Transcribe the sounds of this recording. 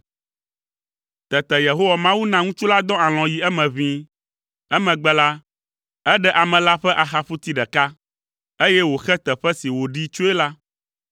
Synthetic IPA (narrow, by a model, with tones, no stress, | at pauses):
t̪ɛ˨t̪ɛ˨je˨ɦo˦wa˨mã˦wu˦nã˦ŋũ˦t͡ʃu˦la˦d̪ɔ̃˦a˨l̃ɔ̃˨ji˨ɛ˦mɛ̃˨βĩ˦ | ɛ˦mɛ̃˨ɡ͡bɛ˦la˦ | ɛ˦ɖɛ˦ʔa˨mɛ̃˨la˦ɸɛ˦ʔa˨xa˦ɸu˦t̪i˦ɖɛ˨ka˦ | e˦jɛ˦wo˨xɛ˦t̪ɛ˨ɸɛ˦si˨wo˨ɖi˦t͡ʃo˦ɛ˦la˦